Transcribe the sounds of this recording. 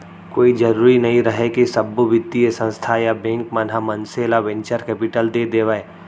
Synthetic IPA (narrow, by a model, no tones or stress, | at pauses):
koːid͡ʒɐɾuːɾinɐɦĩɾɐɦekisɐbːuʋɪd̪iesə̃nst̪ʰajabɛ̃ŋkmɐnɦamə̃nselaʋɛ̃ɲt͡ʃəɾkɛːpɪʈəld̪eːd̪eːʋaːeː